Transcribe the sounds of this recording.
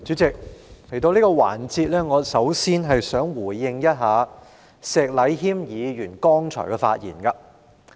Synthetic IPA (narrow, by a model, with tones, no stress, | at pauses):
t͡ʃyː˨˥t͡sɪ˨k̚le˨˩jt̪o˧wliː˥kɔː˧wa̰ː˨˩nt͡siː˧t̚lɛː˥ŋɔː˨˧sɐ˨˥wsiː˥nɦɐ˨jsœː˨˥ŋwuː˨˩jːɪ˧ŋjɐ˥t̚ɦaː˨˧ | sɛː˨k̚lɐ˨˧˥jɦiː˥mjiː˨˧jyː˨˩nkɔː˥ŋt͡ʃʰɔ̰ː˨˩jkɛː˧fa̰ː˧t̚jiː˨˩nka˧